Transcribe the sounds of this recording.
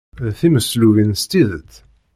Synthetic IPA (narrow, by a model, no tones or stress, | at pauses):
θiməsluvinst̪iðət̪